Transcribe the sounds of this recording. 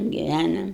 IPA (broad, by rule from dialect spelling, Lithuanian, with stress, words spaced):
ɡʲɪˈʋʲænoːm